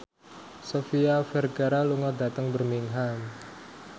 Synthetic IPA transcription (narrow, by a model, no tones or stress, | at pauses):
sofiafɛrɡaɾaluŋɔda̤t̪əŋbərmiŋɦam